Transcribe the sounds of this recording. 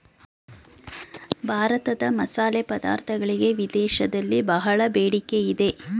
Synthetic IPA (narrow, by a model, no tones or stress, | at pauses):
bʱaːɾɐt̪ɐd̪ɐmɐsaːleːpɐd̪a̰ːɾt̪ʰɐɡɐɭiɡe̞ʋid̪ɛːʃɐd̪ɐlːibɐɦɐɭɐbeːɽikeid̪e̞